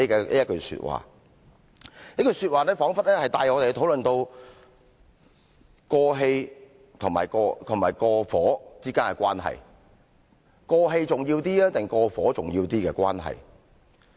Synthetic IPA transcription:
jɐ˥t̚kɵ˧ɥsy̰ː˧t̚wa̰ː˨˩ | jɐ˥kɵ˧ɥsyː˧t̚waː˨nɛː˥fɔː˨˥ŋfɐ˥t̚lɛː˥hɐ˨˩jt̪aː˨˧jŋɔː˨˧t̪e˨˧t̪ʰwlɵ˨nt̪o˧w | kɔː˧ɦe˧j | t̪ʰʊ˨˩ŋma̰ː˨˩jkɔː˧t̪ʰʊ˨˩ŋmaː˨˩jkɔː˧fɔː˨˥t͡siː˥kaː˥nɛ˨˧˩kʷwaː˥nɦɐ̰˨˩j | kɔː˧ɦe˧jt͡sʊ˨˩ŋjiː˧wt̪iː˥aː˥t̪ɪ˨ŋkɔː˧fɔː˨˥t͡sʊ˨ŋjiː˧wt̪iː˥kɛː˧kʷa̰ː˥nɦɐ̰˨˩j

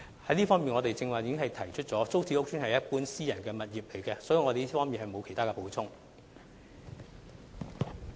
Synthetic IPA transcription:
hɐ˨˥jliː˥fɔː˥ŋmiː˨nŋɔ˨˧t̪e˨jt͡sɪ˧ŋwaː˨jiː˨˧kɪ˥ŋhɐ˨jt̪ʰɐ˨˩jt͡ʃʰɵ˥t̚t͡sɔː˨˥t͡so˥wt͡sʰi˨˥ʊ˥k̚t͡ʃʰyː˥nhɐ˨jɐ˥t̚puː˥nsiː˥jɐ˨˩nkɛː˧mɐ˨t̚jiː˨˩p̚le˨˩jkɛː˧sɔː˨˥ji˨wŋɔː˨˧e˨i˥fɔː˥ŋmiː˨nhɐ˨jmo˨˧wkʰe˨˩jt̪ʰaː˥kɛː˧po˨˥wt͡sʰʊ˥ŋ

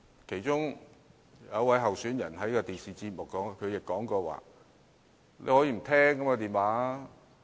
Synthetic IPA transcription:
kʰe˨˩jt͡ʃʊ˥ŋ | jɐ˨˧wwɐ˨˥jɦɐ˨wsyː˨˥njɐ˨˩nɦɐ˨˥jkɔ˧t̪iː˨˩nsiː˨˩t͡siː˧t̚mʊ˨kkːɔː˨˥ŋ˧kʰɵ˨˧jɪ˨kːɔː˨˥ŋkɔː˧wa̰ː˨ | lḛ˧hɔ˨˥jiː˧m̩˨˩t̪ʰɛː˥ŋkɐ˨˥maː˧t̪̬iː˨nwaː˨˥

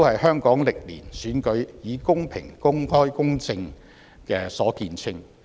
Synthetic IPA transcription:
o˥whɐ˨jhœː˥ŋkɔː˨˥ŋlɪ˨k̚lḭː˨˩nsyː˨˥nkɵ˨˥ɥjiː˨˧kʊ˥ŋpʰɪ̰˨˩ŋkʊ˥ŋhɔː˥jkʊ˥ŋt͡sɪ˧ŋ | kɛː˧sɔː˨˥kiː˧nt͡sʰɪ˥ŋ

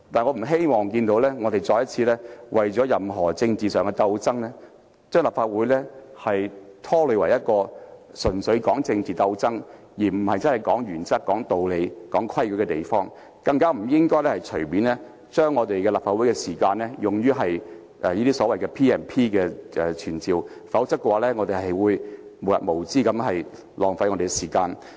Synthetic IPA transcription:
t̪aː˨nŋɔː˨˧m̩˨˩ɦe˥jmɔː˨˩ŋkiː˧nt̪o˨˧˥wlɛː˥ŋɔː˨˧d̪e˨jt͡sɔː˧jɐ˥t̚t͡sʰiː˧lɛː˥wʔɐ˨jt͡sɔː˨˥jɐ˨mɦɔː˨˩t͡sɪ˧ŋt͡siː˨sœː˨ŋkɛ˧t̪ɐ˧wt͡sɐ˥ŋlɛ˥ | t͡ʃœː˥ŋlaː˨˩pfaː˧t̚wuː˨˥jlɛː˥hɐ˨jt̪ʰɔː˥lɵ˨˧ɥwɐ˨˩jɐ˥t̚kɔː˧sɵ˨˩nsɵ˨˧ɥkɔː˨˥ŋt͡sɪ˧ŋt͡siː˨t̪ɐ˧wt͡sɐ˥ŋ | jiː˨˩m̩˨˩hɐ˨jt͡sɐ˥nhɐ˨˩jkɔː˨˥ŋjyː˨˩nt͡sɐ˥k̚kːɔː˨˥ŋt̪o˨wle˨˧jkɔː˨˥ŋkʰwɐ˥jkːkɛ˧t̪e˨jfɔː˥ŋ | kɐ˧ŋkaː˥m̩˨˩jɪ˥ŋkɔː˥jlɛː˥hɐ˨jt͡ʃʰɵ˨˩ɥmiː˨˥nlɛː˥ | t͡ʃœː˥ŋːɔː˨˧t̪e˨jkɛ˧laː˨˩pfaː˧wu˨˥jkɛ˧siː˨˩kaː˧nlɛː˥jʊ˨ŋjyː˥ɦɐ˨j | ʔɛ˨˧jiː˥t̪i˥sɔː˨˥wɐ˨jkɛː˧pʰiː˥ɛː˨˩npʰiː˥kɛː˧ɛ˨˧t͡ʃʰyː˨˩nt͡siː˨w | fɐ˨˥wt͡sɐ˥kːɛ˧waː˨˧lɛː˥ŋɔː˧t̪e˨ɦɐ˨jwuː˨˧jmo˨˩wjɐ̰˨mo˨˩wt͡siː˥kɐ˨˥mɦɐ˨j | lɔː˨ŋfɐ˧˥jŋɔː˨˧t̪e˨ɛ˧siː˨˩kaː˧n

